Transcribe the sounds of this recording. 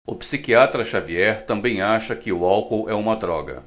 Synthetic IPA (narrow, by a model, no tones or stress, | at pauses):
ʊpsikiat̪ɾɐʃaviɛɾt̪ɐ̃mbẽj̃aʃɐkɪʊawkowʔɛũmɐd̪ɾɔɡɐ̰